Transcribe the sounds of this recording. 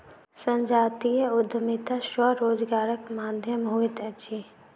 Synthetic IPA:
sɐ̃ɲd͡ʒaːt̪ijəʊd̪ʱəmit̪aʃwɐɾoːd͡ʒɡaːɾəkmaːd̪ʱjəmɦuɪt̪ɐt͡ʃʰi

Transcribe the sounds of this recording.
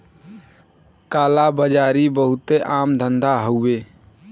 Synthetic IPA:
kaːlabəd͡ʒaːɾibəɦʊt̪eʔaːmd̪ʱənd̪aɦoweː

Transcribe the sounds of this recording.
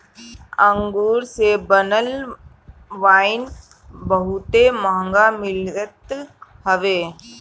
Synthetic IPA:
ə̃ŋɡuːɾsebənəl | ʋaːɪn | bəɦʊt̪emaɦə̃ŋɡamɪlət̪ɦəʋeː

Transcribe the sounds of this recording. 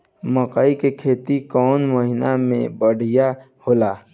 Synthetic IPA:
məkaikekʰeːt̪ikɔːnməɦɪnamẽbəɽ̤ʱija | hoːlaː

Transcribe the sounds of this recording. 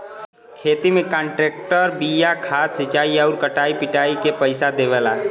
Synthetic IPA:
kʰeːt̪imẽkə̃ɳʈɾeːk̚ʈəɾbijakʰaːt̪sɪt͡ʃaːiɔʊɾkəʈaːipɪʈaːikepəɪsad̪eʋɛla

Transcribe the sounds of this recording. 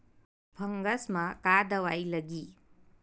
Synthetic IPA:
bʰʱɐŋɡɐsmɐkad̪ɐwajlɐɡi

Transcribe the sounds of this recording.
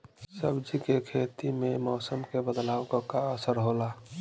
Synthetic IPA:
səbd͡ʒikekʰet̪imemɔːsəmkebəd̪lawɡɔkaəsəɾɦola

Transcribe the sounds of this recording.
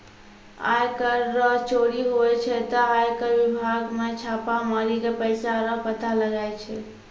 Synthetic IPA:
a̰jkəɾːəɦt͡ʃʰoɽiɦoɛt͡ʃʰɛt̪ɔajkəɾʋibʱaɡmet͡ʃʰapamaɾikepəjsaɾəɦpət̪aləɡajt͡ʃʰɛ

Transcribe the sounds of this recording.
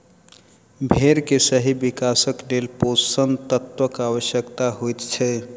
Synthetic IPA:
bʱeɾkesəɦibikasəkɖelpossənt̪ət̪ʋəkaʋəsjəkt̪aɦojt̪t͡ʃʰɛ

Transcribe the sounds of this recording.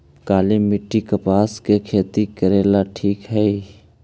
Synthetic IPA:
kaːlimɪʈːikəpaːskekʰeːt̪ikəɾeːlaʈʰiːkɦɛi

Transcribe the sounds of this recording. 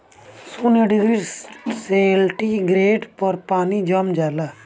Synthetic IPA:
suneɖiɡɾiselʈiɡɾeːɖpəɾpaːnid͡ʒəmd͡ʒala

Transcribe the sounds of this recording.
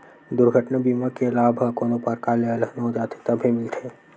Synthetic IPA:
d̪ʊɾɡʱəʈnabimakelabʱəkoːnopəɾkaleələnod͡ʒat̪ʰe̥t̪əbʱimɪlt̪ʰe

